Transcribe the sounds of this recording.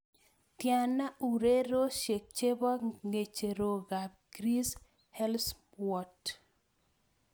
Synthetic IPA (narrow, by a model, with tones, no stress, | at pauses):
tja˨na˦u˨ɾe˦ɾo˦ʃe˨k̚t͡ʃe˦bɔ˦ŋe˨t͡ʃe˨ɾo˨ɡa˨b̚ɡ̥ɾi˦s | hɛ˦ls | wɔ˨t